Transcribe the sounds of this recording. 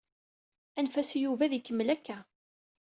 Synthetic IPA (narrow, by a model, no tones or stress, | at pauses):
ænfæsijuvæðikːəmːəlækːæ